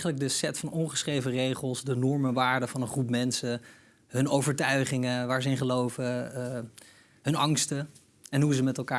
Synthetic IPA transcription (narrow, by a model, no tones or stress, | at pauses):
χələɡ̚dəsɛtfɑnɔnχəsχrejvərejχəlˠsdənɔɹmənʋaːɹdəvɑnənχrupmɛnsə | ɦɵnowvəɹtœɥχɪŋəʋaːɹzəɪnχəlowvə | ɦɵnɑŋstə | ɛnɦuzəmɛtɛlˠkaː